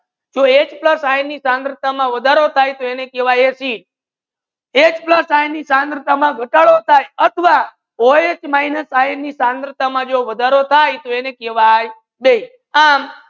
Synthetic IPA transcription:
d͡ʒoet͡ʃpləsajnisãnd̪ɾət̪amãʋəd̪ʱaɾot̪ʰajt̪oenekeʋajesiʈ̚ | et͡ʃpləsajnisãnd̪ɾət̪amãɡʱəʈaɭot̪ʰajət̪ʰəʋa | oet͡ʃmainəsajnisãnd̪ɾət̪amãd͡ʒoʋəd̪ʱaɾot̪ʰajt̪oenekeʋaj | bej | am

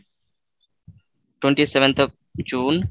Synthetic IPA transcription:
ʈwẽɳʈiːseʋə̃nt̪ʰ | d͡ʒuːn

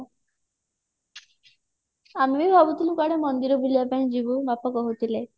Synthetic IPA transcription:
amibibʱɔbut̪ilukaɽemɔnd̪iɾɔbulijapaĩd͡ʒibumapɔkɔɦut̪ʰile

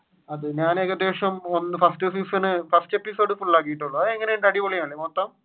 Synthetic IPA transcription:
ɐðɨɲaːnekːɐd̪eːʂjɐmo̞nːɨfɐsʈɨefisɐnɨfɐrsʈe̞pːiso̞ːɖɨfuɭːaːk̬ːijiʈːuɭːuɐðɨeŋːɐneuɳɖɐɽipoɭijaːɳɭimot̪ːɐm

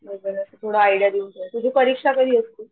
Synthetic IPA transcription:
bəbələsət̪ʰoɽaːjɽjaɾiuɳt̪ət̪ud͡ʑʱipəɾikʂakəd̪ʱiəst̪u

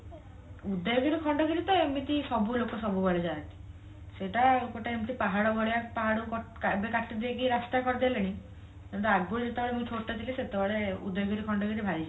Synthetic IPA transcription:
ud̪ejɡɔɾikʰɔɳɖɔkiɾit̪ɔemit̪isɔbulokɔsɔbubɔɭed͡ʒannt̪i̥ | seʈakoʈaemit̪ʰipaɦaɽɔbʱɔɭejapaɦaɽukɔkabekaʈid̪iekiɾast̪akɔɾd̪eleɽ̃i | ɔnt̪aɡuɽid͡ʒet̪ebaɭemũit͡ʃʰoʈːat̪ʰiliset̪ebɔɭeṵd̪ɔjɔɡɔɾikʰɔɳɖɔkɔɾibʱaɾid͡ʒʰ

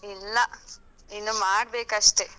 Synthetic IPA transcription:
ilːɐ | inːumaːɽbeːkɐʂʈe

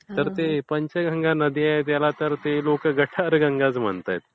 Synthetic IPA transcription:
t̪əɾt̪epəɲt͡ɕaɡə̃ŋɡanəd̪ʱiaɦet̪jalat̪əɾt̪elokəɡəʈʰaɾɡəŋɡat͡sm̤ə̰ɳt̪a̰jt̪̚

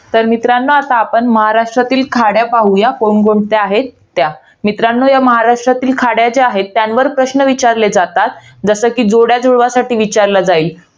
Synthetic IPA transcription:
t̪əɾmit̪ɾanːəat̪aːpəɳməɦaɾaʂʈɾat̪iːlkʰaɽjapaɦujakoɳɡoɳɖt̪eaɦet̪ːja | mit̪ɾanːəjaməɦaɾaʂʈɾat̪iːlkʰaɽjad͡zeaɦet̪ːjanʋəɾpɾəɕnəʋit͡ɕaɾled͡zat̪at̪ | d͡zəsəːkiːd͡zoɽjad͡zoɭʋasaʈiːʋit͡ɕaɾlad͡zaiːl

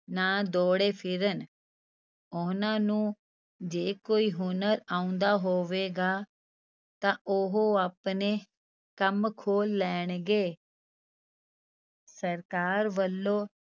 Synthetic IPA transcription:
naːd̪oːɽeːpʰɪɾən | ʊnãːnũː | d͡ʒeːkoːiːɦʊnəɾaːũnd̪aːɦoːʋeːɡaː | t̪ãːʔʊɦoaːpneː | kəmkʰoːlːɛːɳ̃ɡeː | səɾkaːɾʋəlːoː

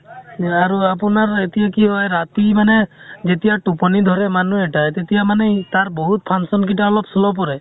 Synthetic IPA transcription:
aɹuapunaɹet̪ijakiɦɔjɾat̪imanɛzet̪ijaʈupɔnid̪ʱɔɹɛmanuɛʈajt̪et̪ijamanɛt̪aɹbɔɦut̪̚pʰansɔnk̬itaɔlɔpsɔlɔp̬ɔɹɛ

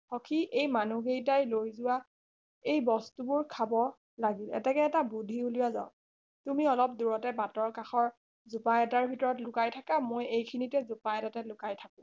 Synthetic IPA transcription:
xɔkʰiʔejmanuɡejtajlojzʊwa | ejbɔstubʊɹkʰabɔ | laɡilɛ̰tɛkɛɛtabudʱiuliwaza̰ʊ | tumiɔlɔp̚duɹɔtɛbatɔɹkaxɔɹ | zupajɛtaɹbʱitɔɹɔtlʊkajtʰakamojejkʰinitɛzupajɛtatɛlʊkajtʰakʊ̃

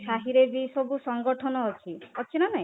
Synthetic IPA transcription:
ʃaɦiɾed͡ʒisɔbusɔŋɡɔʈʰɔnɔːt͡ʃʰiɔt͡ʃʰinanaĩ

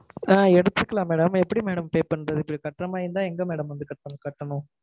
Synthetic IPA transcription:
aːɛɽɯt̪ːɯkːɐlãːmeːɽɐmɛpːɐɽimeːɽɐmpeːpɐɳɾɐðɯɪpːɐɽikɐʈːɾɐmaːjɯnd̪ãːɛŋɡɐmeːɽɐmʋɐnd̪ɯkɐʈːɐnkɐʈːɐɳʊ̃

